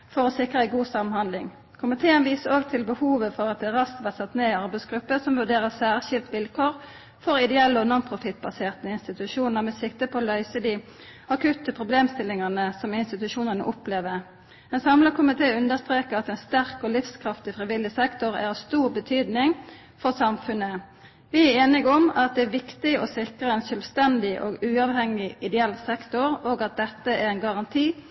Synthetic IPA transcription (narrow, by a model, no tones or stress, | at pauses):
fɔʁɔsɪkʁəæɪɡuːsɑmənhɑnd̪lɪŋ | kʰʊmɪt̪ʰeːənʋiːsəoːɡt̪ʰɪlbəhuːʋəfɔʁɑt̪̚d̪ɛʁɑsk̪ʋæsɑt̪ːneːɪɑʁbæɪsɡ̥ɾʉpːəsɔmʋʉɖeːʁəsæːʁʃɪlt̪ʋɪlkʰoːʁ | fɔʁɪd̪ɛɛlːəɔnɑnpʰʁʊfɪt̪̚ːbɑseːʁt̪əɪnst̪ɪt̪ʉʃuːnnəmɛsɪk̚t̪əpʰoːlœʏsəd̪iː | ɑkʰʉt̪əpʰʁʊbleːmst̪ɪlɪŋɑnəsɔmɪnst̪ɪt̪ʉʃuːnənə̰ʔʊpleːʋə | ɛnsɑmləkʰʊmɪt̪ʰeːʉnd̪əst̪ʁeːkəɑt̪ɛnst̪æʁkɔlɪfskʰʁɑft̪ɪfʁɪʋɪlːɪsɛkt̪ʊʁæ̰ʁɑst̪uːʁbət̪ʰyːd̪nɪŋ | fɔʁsɑmfʉnːə | ʋɪæɾeːnɪɡɔmɑt̪̚d̪ɛæʋɪkt̪ɪɔsɪkəɛnsœlʋst̪ɛnd̪ɪʔoːɡʉːɑʋhɛŋɪɪd̪ɛɛlsɛkt̪ʊʁoːɡɑt̪̚d̪ɛt̪ːəæʁɛɪnɡɑʁɑnt̪ʰiː